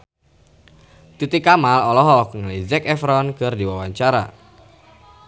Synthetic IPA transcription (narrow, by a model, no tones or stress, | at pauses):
t̪it̪ikamalɔlɔɦɔkŋəlizɛkɛfɾɔnkərdiwawaɲt͡ʃaɾa̰